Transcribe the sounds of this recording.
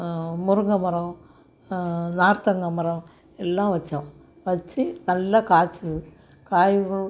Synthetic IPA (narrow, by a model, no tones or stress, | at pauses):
muruŋɡɐmɐɾɐ | naːɾt̪ɐŋɡɐmɐɾɐ | elːãːʋɐt͡ɕːɐm | ʋɐt͡ɕːɨnɐlːɐkaːt͡ɕːɐð | kaːjuɣɐɭ